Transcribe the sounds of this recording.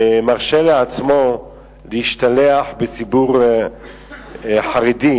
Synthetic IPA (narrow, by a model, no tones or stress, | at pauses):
maʁʃeleat͡smo̞ | lehiʃt̪aleaħbet͡sibuʁ | ħaʁid̪i